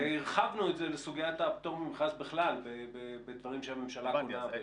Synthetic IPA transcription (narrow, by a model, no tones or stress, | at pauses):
iʁχavnuetzelesuɡiatapt̪oʁmimχasbeχlalbebebed̪vaʁimʃeame̞mʃalakua